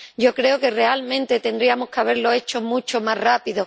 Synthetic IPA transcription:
ɟ͡ʝo̞kɾe̞oke̞re̞almẽ̞nt̪et̪e̞nd̪ɾiamoskeaβ̞e̞ɾlo̞e̞t͡ʃo̞mũt͡ʃomarrapiðo

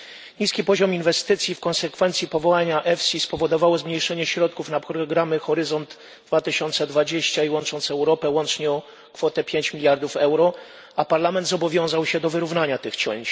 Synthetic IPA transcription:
ɲiskʲipɔʑɔminvɛst̪ɘt̪sʲjifkɔ̃nsɛkfɛnt̪sʲjipɔvɔwaɲaʔɛfsʲispɔvɔd̪ɔvawɔzmɲejʂɛɲɛɕɾɔt̪̚kufnapɾɔɡɾamɘxɔɾɘzɔnd̪ | d̪vat̪ɘɕɔnt̪sɛd̪vad͡ʑeɕt͡ɕaiwɔnt͡ʂɔnt̪sɛwɾɔpɛwɔnt͡ʂɲɛɔ | kfɔt̪ɛpʲjeɲt͡ɕmʲilʲjaɾd̪ufɛwɾɔ | apaɾlamɛnd̪zɔbɔvʲjɔ̃w̃zawɕɛd̪ɔvɘɾuvnaɲat̪ɘxt͡ɕɔ̰ɲt͡ɕ

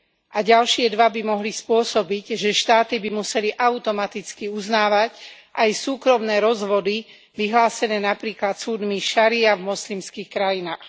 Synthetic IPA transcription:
ʔaɟalʃɪɛd̪ʋabimɔɦlispʊɔsɔbiɟʒɛʃt̪aːt̪ibimusɛliʔaut̪ɔmat̪it͡skiuznaːʋac | ʔajsuːkɾɔmnɛːɾɔzʋɔd̪i | ʋiɦlaːsɛnɛːnapɾiːklat̪suːd̪miʃaɾiavmɔslimskiːxkɾajinaːx

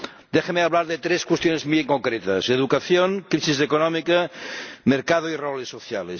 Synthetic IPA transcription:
d̪exameaβlaɾðet̪ɾeskwest̪jonezmieŋkoŋkɾet̪ɐseðukaθjoŋkɾisizðekonɔmikameɾkað̞oirolesːoθja̰les

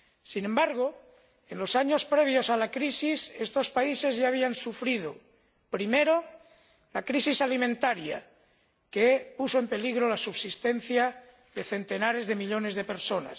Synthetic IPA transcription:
sinembaɾɣ̞o | e̞nlo̞saɲo̞spɾe̞β̞jo̞salakɾisisest̪o̞spaise̞zʝaːβ̞iansufɾið̞o | pɾime̞ɾo | lakɾisisalimẽnt̪aɾja̰ | kepusoempe̞liɣɾo̞lasuβsist̪e̞n̟θja | ðe̞θe̞nt̪e̞naɾe̞zðe̞miʎo̞ne̞zð̞e̞pe̞ɾso̞na̰s

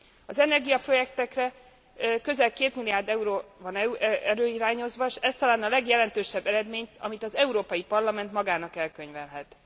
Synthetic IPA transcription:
ɒzɛnɛrɡijɒpro̞jɛkt̪ɛkrɛ | kø̞zɛlkeːt̪milijaːrd̪ɛuɾoːvɒnɛɾøːiɾaːɲo̞zʋɒʃɛst̪ɒlaːnɒlɛɡjɛlɛnt̪øːʃɛbːɛɾɛd̪meːɲt̪ɒ̰mit̪ɒzɛuɾoːpɒjipɒrlɒmɛnt̪mɒɡaːnɒkɛlkø̞ɲvɛnɦɛt̪

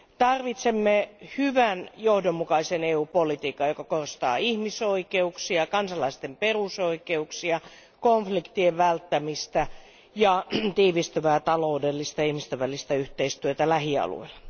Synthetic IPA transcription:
t̪ɑrʋit̪semːehyʋænjohdomːukɑiseneːuːpolit̪iːkːɑjokɑkorst̪ɑ̰ːihmisoikeuksiɑkɑnsɑlɑist̪emperusoikeuksiɑ | koɱflikt̪ieʋʋælt̪ːæmist̪æ | jɑt̪iːʋist̪øʋæːt̪ɑloudelːist̪ɑihmist̪øʋʋælːist̪æyht̪eist̪yøt̪ælæhiɑ̰lṵilːɑ

